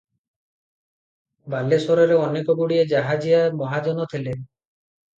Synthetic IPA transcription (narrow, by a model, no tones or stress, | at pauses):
balesɔɾɔɾeɔnekɔɡuɽied͡ʒaɦad͡ʒijamɔɦad͡ʒɔnɔt̪ʰele